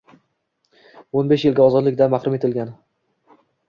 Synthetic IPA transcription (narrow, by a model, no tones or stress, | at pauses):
onbeʃjɪlɡʲaɒzɒd̪lɪkʲd̪anmaχɾʊme̞t̪ʰɪlɡʲan